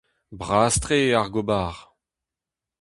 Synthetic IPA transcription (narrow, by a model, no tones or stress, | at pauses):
bʁaːst̪ʁeaʁɡobaːʁ